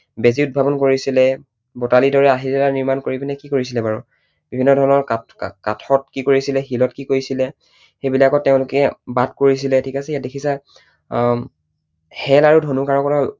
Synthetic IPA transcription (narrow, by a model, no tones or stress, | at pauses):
beziʊt̚bʱabɔnkoɹisilɛ | botalidɔɹɛaɦiɹɛlaniɹmankoɹipinɛkikoɹis̬ilɛbaɹu | bibʱinːɔdʱɔɹɔnɔɹakatʰɔt̚kikoɹisilɛxilɔtkikojsilɛ | xejbilakɔtːeʊ̃lʊkɛbad̚koɹis̬ilɛtʰikasɛijat̚dekʰisa | hɛlaɹudʱonukaɹɔkɔta